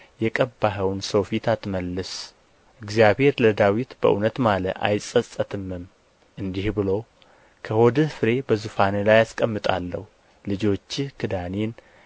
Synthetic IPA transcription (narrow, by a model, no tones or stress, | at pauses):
jɛkʼəbːaɦəwnsowfit̪ʰat̪məlːɨs | ʔɨɡzjabhe̞ɾləd̪awit̪bə̰ʔṵnət̪maləʔa̰jsʼəsʼət̪ʰɨmːɨm | ʔɨnd̪ihbɨlo̞ | kʰəhod̪ɨhfɨɾe̞bəzɨfanelajaskʼəmːɨt̪ʼa̰lːə̰hu | lɨd͡ʒo̞t͡ʃːɪkʰɨd̪anen